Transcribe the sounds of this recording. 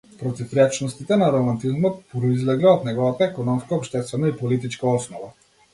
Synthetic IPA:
pɾɔt̪ifɾɛt͡ʃnɔst̪it̪ɛnaɾɔmant̪izmɔt̪̚pɾɔizlɛɡlɛɔt̪nɛɡɔvat̪aɛkɔnɔmskaɔpʃt̪ɛst̪vɛnaipɔlit̪it͡ʃkaɔsnɔva

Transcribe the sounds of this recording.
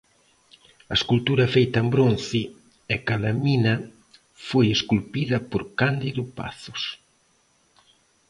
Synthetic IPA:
ɐeskult̪uɾɐfejt̪ɐembɾon̟θɪ | ɛkalaminɐ | fojeskulpiðɐpoɾkand̪iðʊpa̰θʊ̥s

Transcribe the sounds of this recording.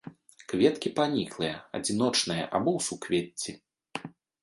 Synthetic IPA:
kvʲɛt̪kʲipanʲiklˠɨjɐɐ̰d͡zʲin̪ɔt͡ʂnɐjɐ̰ʔa̰bɔwsukvʲet͡sʲːi

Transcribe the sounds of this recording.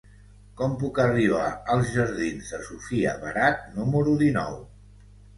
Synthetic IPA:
kɔmpukəriβ̞aəlˠzʒəɾð̞inzðəsufiə̰βəɾat̪̚numəɾuðinɔ̰w

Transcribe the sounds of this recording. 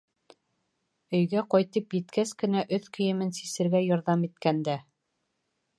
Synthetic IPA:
ɵ̆jɡæqɒjt̪ɤpjɘ̆t̪kæskɘ̆næʔɵθkɵ̆jɘ̆mɘnsisɘ̆ɾɡæjoɾðɑmit̪̚kænd̪æ

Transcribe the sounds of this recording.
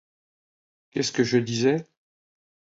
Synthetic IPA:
kʲɛskəʒəd̪izɛ

